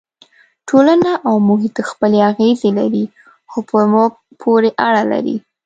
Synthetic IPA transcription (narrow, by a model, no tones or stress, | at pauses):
ʈʰolanaʔawmʊɦit̪əxpəleaɣezelaɾi | xopʰəm | pʰoɾeʔaɽala̰ɾḭ